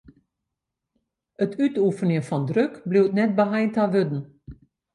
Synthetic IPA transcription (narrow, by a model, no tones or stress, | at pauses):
ətʰytufənjəfɔndrøkbliwtnɛt̚bəɦajntaʋødn̩